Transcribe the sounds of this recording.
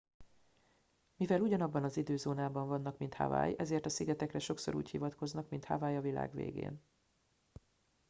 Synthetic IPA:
mivɛluɟɒnɒbːɒnɒzid̪øːzoːnaːbɒɱvɒnːɒkmint̪ha̰va̰ːjɛzeːrt̪ɒsiɡɛt̪ɛkrɛʃo̞kso̞̰ɾṵːchivɒt̪ko̞znɒkmint̪ha̰vaːjɒvila̰ːɡvḛːɡḛːn

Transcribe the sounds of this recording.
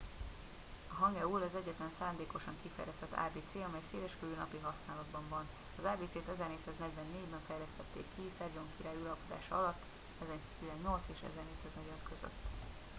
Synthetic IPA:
ɒɦɒŋɡɛulɒzɛɟːɛt̪lɛnsaːnd̪eːko̞ʃɒŋkifɛ̰jlɛst̪ɛt̪ːa̰ːbeːt̪seːɒmɛjseːlɛʃkøvyːnɒ̰piɦɒsnaːlɒd̪bɒɱvɒn | ɒzaːbeːt̪seːt̪ɛzɛrneːctsaːznɛɟvɛnːeːɟbɛɱfɛjlɛst̪ɛt̪ːḛːkːisɛrɟo̞ŋkiɾaːjulɒlpod̪a̰ːʃɒɒlɒt̪ː | ɛzɛsaːz̥t̪izɛnːo̞lt̪seːʃɛ̰zɛrneːc̪ʲsaːznɛɟot̪køzø̰t̪ː

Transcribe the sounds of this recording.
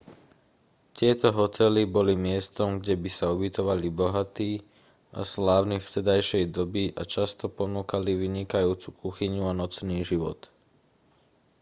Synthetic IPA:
t̪ɪɛt̪ɔɦɔt̪ɛlibɔlimɪɛst̪ɔmɡɟɛbisaubit̪ɔʋalibɔɦat̪iː | ʔa̰slaːʊnift̪ɛd̪ajʃɛjd̪ɔbiʔa̰t͡ʃast̪ɔpɔnuːkaliʋiɲikajuːt͡sukuxiɲuanɔt͡sniːʒiʋɔ̰t̪

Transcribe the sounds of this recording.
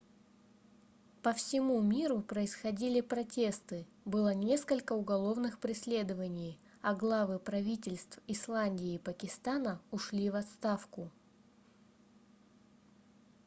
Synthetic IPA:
pəfsʲɪmumʲiɾʊpɾəɪsxɐdʲilʲɪpɾɐtʲe̞st̪ɨ | bɨlˠənʲe̞skəlʲkəʊɡɐlˠo̞vnɨxpɾʲɪsʲlʲe̞d̪əvənʲɪj | ɐɡlˠavɨpɾɐvʲitʲɪlʲst̪fɪslˠanʲdʲɪːpəkʲɪst̪anəʊʂlʲivɐt̪st̪afkʊ

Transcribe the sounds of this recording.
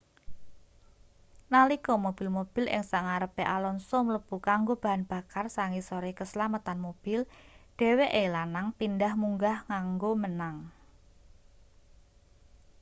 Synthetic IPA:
nalikɔmob̥ɪ̤lmob̥ɪ̤lʔɪ̰ŋsaŋaɾəpeʔalɔnsɔmələb̥ukaŋɡob̥a̤ɦanb̥a̤karsaŋisɔɾikəsəlamət̪anmob̥ɪlɖ̥e̤weʔelanaŋt̪indahmuŋɡahŋaŋɡomənaŋ

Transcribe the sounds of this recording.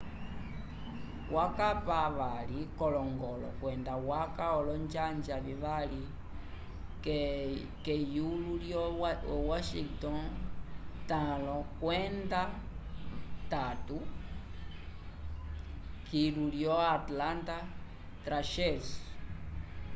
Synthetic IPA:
wʔakapaβalikɔlɔŋɡɔlɔ̰kwɛndawakaɔlɔnd͡ʒand͡ʒaβiβali | kɛ | kɛjululjɔwaʃiŋɡtɔn | tãlɔkwɛnda | tatu | kiluljɔatlanta | tɾaʃɛs

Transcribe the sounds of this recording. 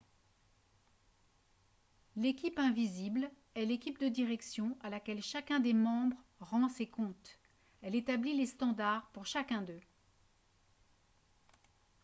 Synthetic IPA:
lekʲipɛ̃vizibl | ɛlekʲip̚d̪əd̪iʁɛksjɔ̃alakʲɛlʃakʲɛ̃d̪emɑ̃bʁʁɑ̃sekɔ̃t̪ | ɛlet̪ablilest̪ɑ̃d̪aʁpuʁʃakʲɛ̃d̪ø

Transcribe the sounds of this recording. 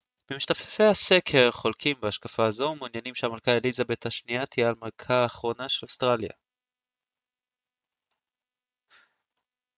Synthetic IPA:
memiʃtafe̥fe̞jhase̞kʰe̞ʁχo̞lkʰimbeaʃkafaːzo̞munjanimʃeamalkaelizabe̞thaʃniat̪ʰijaalmalkʰaːχʁo̞naʃelost̪ʁalja̰

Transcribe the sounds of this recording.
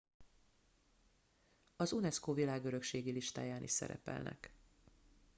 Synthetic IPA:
ɒzunɛskoːvilaːɡø̞ɾø̞kʃeːɡiliʃt̪a̰ːjaːnḭʃsɛ̰ɾɛ̰pɛ̰lnʔɛ̰k

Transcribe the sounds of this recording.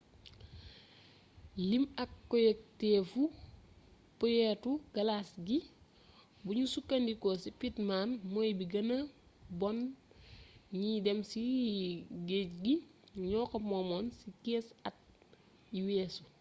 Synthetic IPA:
limɐkːɔjek̚teːfu | pɔjɛtuɡ̥ɐlaːsɡi | buɲusukːandikɔsipitmaːnmɔjbiɡɐnɐ | bɔn | ɲidɛmsi | ɡeːcɡi | ɲɔːkɐmɔmɔːnsikɛːsɐt̚ | juweːsu

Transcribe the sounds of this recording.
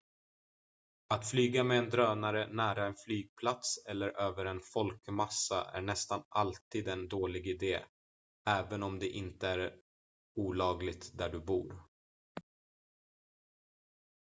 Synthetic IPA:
at̪flyːɡamɛːnd̪ɾøːnaɾənæːɾaɛnflyːɡ̚pʰlat̪sɛlːəɾʔøːvəɾɛnfɔlkmasːa̰ʔæ̰ɳɛst̪analt̪iːd̪ɛnd̪oːlɪɡɪd̪eː | ɛːvənɔmd̪ɛʔɪnt̪əæɾ | uːlɑːɡlɪɡ̚t̪d̪æɖɵbṵːɾ

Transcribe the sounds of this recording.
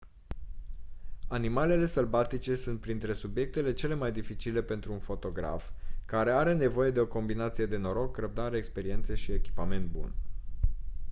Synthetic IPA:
animale̞le̞səlbat̪it͡ʃe̞sunt̪̚pɾint̪ɾe̞subje̞k̚t̪e̞le̞t͡ʃe̞le̞majd̪ifit͡ʃile̞pe̞nt̪ɾuːnfo̞t̪o̞ɡɾa̰fkaɾe̞aɾe̞ne̞vo̞je̞d̪e̞o̞ko̞mbinat̪sije̞d̪e̞no̞ɾo̞kːrəp̚d̪aɾeːkspe̞ɾie̞nt̪seʃie̞kʲi̥pame̞nt̪̚bṵn

